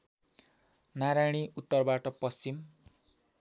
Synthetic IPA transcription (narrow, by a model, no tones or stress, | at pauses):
naɾajɽ̃iut̪ːʌrbaʈʌpʌst͡sim